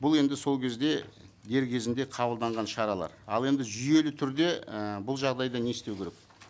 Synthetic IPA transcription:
bʊlˠe̞nd̪ɪso̞lˠkʲʰe̞zd̪e̞ | d̪e̞ɾkʲʰe̞zɪnd̪e̞qʰɑbəlˠd̪ɑɴʁɑnʃɑɾɑlˠɑ̰ɾɑ̰lˠe̞nd̪ɪʒʏje̞lɪt̪ʰʏɾd̪e̞bʊlˠʒɑʁd̪ɑjd̪ɑne̞ɪst̪e̞wkʲeɾek̚

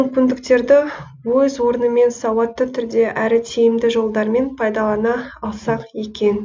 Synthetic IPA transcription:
ʏŋkʲɪnd̪ɪkt̪e̞ɾd̪ɪ | wɵzwo̞ɾənəme̞nsɑwɑt̪ːət̪ʰʏɾd̪e̞ʔæɾɪt̪ʰejɪmd̪ɪʒo̞lˠd̪ɑɾme̞npʰɑjd̪ɑlˠɑnɑːlˠsɑqje̞kʲe̞n

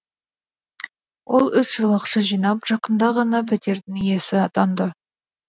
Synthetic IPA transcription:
wʔo̞lˠʏsʒəlˠəqʃəʒijnɑpʒ̥ɑqənd̪ɑʁɑnɑpʰɪt̪e̞ɾd̪ɪŋje̞sɪɑt̪ɑnd̪ə

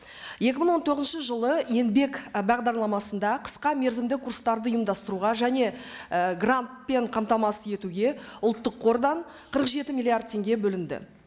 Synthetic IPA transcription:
je̞kʲɪməɴwo̞nt̪ʰoʁznʃəʒəlˠəje̞nbe̞kbɑʁd̪ɑɾlˠɑmɑsənd̪ɑqʰə̥sqɑme̞ɾzɪmd̪ɪkʰurst̪ɑɾd̪əʊjəmd̪ɑst̪əɾuʁɑʒæne̞ɡrant̪̚pe̞ɴqʰɑmt̪ɑmɑsəe̞t̪uɡʲe̞ʊlˠt̪ːəqʰːo̞ɾd̪ɑɴ | qʰəɾəqʒe̞t̪ɪmʲilˠijard̪̚t̪ʰːe̞ŋɡʲe̞bɵlɪnd̪ɪ̰

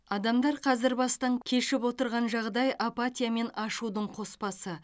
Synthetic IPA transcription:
ɑd̪ɑmd̪ɑɾqʰɑzɪɾbɑst̪ɑŋkʲʰe̞ʃɪpwo̞t̪əɾʁɑnʒɑʁd̪ɑjʔapat̪ʲijame̞nɑʃud̪əɴqʰo̞spɑsə

